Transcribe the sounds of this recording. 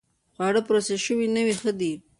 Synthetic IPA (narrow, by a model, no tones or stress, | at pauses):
xwɑɽəpɾaseʃəwinəwixəd̪i